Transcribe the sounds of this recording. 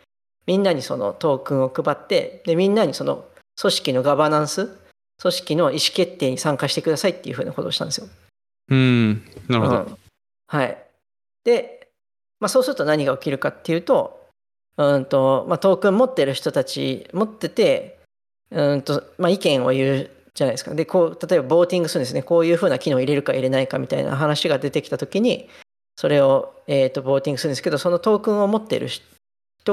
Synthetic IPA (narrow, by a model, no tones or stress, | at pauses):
mʲĩnːaɲ̟iso̞̰no̞̰t̪o̞ːkɯ̟̃ɰ̃o̞kɯ̟bat̪ːe̞̰d̪e̞mʲĩnːaɲ̟iso̞no̞̰so̞ɕi̥kʲino̞ɡabanãɰ̃sɨ | so̞ɕi̥kʲino̞iɕi̥ke̞t̪ːe̞ːɲ̟isãŋkaɕi̥t̪e̞kɯd̪asait̪ːe̞iɯ̟ɸɯ̟ːnako̞t̪oːɕi̥t̪ã̰nd̪esɨjo | ɯ̃naɾɯõ̟ | haḭ | d̪̥e̞ | masoːsɨɾɯ̟t̪o̞naɲ̟iɡaokʲiɾɯ̟kat̪ːe̞jɯ̟ːt̪o̞ | ɯ̟̃nt̪o̞mat̪o̞ːkɯ̟̃mːo̞t̪ːe̞ɾɯ̟çi̥t̪o̞t̪at͡ɕḭmo̞t̪ːe̞t̪e̞ | ɯ̟̃nt̪o̞maikẽ̞ɰ̃o̞̰jɯ̟ː | d͡ʑanajd̪esɨ̥ka̰d̪e̞koːt̪at̪o̞e̞babo̞ːt̪ʲĩŋɡɯsɨɾɯ̟nsɨneko̞ːjɯ̟ːɸɯ̟ːnakʲino̞ːiɾe̞ɾɯ̟kaiɾe̞naikamʲit̪a̰ḭna̰ɦanaɕiɡad̪e̞t̪e̞kʲi̥t̪at̪o̞kʲiɲ̟i | so̞ɾe̞o̞eːt̪ːo̞bo̞ːt̪ʲĩŋɡɯsɨɾɯnesɨke̞d̪oso̞no̞t̪o̞ːkɯ̃ɰ̃o̞mo̞t̪ːe̞̰ɾɯ̟̰̥ | çi̥t̪o